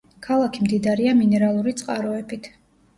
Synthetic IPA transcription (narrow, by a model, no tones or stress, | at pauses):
kʰalˠakʰimd̪id̪aɾiaminɛɾalˠuɾit̪sʼqʼaɾɔɛbit̪ʰ